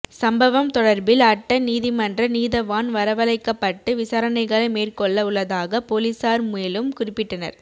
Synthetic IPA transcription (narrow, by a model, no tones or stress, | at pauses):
sɐmbɐʋɐmt̪ɔɽɐɾbɪlɐʈːɐniːðɪmɐndrɐniːðɐʋaːnʋɐɾɐʋɐlɐɪkːɐpːɐʈːɯʋɪsɐɾɐnɐɪɣɐɭɐɪmeːrkɔɭːɐʊɭːɐðaːɣɐpoːlisaːɾmʊjɐlɯmkʊrɪpːɪʈːɐnɐ̰ɾ